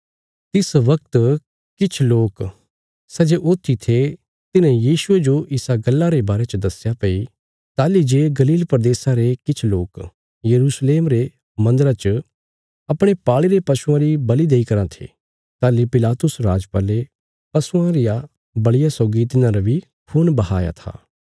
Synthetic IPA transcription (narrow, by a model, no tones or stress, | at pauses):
t̪ɪsʋɐk̚t̪ | kɪt͡ʃʰloːk | sɛd͡ʒeʔoːt̪ʰːit̪ʰe | t̪ɪnɛ̃jiːʃʊed͡ʒoʔɪsaɡɐlːaɾebaːɾet͡ʃəd̪ɐsjapɐi | t̪aːlid͡ʒeːɡɐliːlpɾəd̪eːsaɾekɪt͡ʃʰloːk | jɐɾuːsleːmɾe | mɐ̃nd̪əɾat͡ʃə | ɐpɽ̃epaːɭiɾepɐsuãɾibɐlid̪eːikɐɾãt̪ʰḛː | t̪aːlipɪlaːt̪ʊsɾaːd͡ʒpaːle | pɐsuãɾɪja | bɐɽɪjasɔːɡit̪̬ɪnãɾabi | kʰuːnbɐɦaːja̰t̪ʰa̰ː